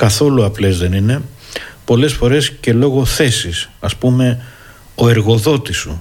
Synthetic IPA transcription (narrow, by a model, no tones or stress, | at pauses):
kɐθo̞luɐple̞zðe̞nine̞ | po̞le̞sfo̞ɾe̞sce̞lo̞ɣo̞θe̞sisɐspume̞ | oe̞ɾɣo̞ðo̞t̪isu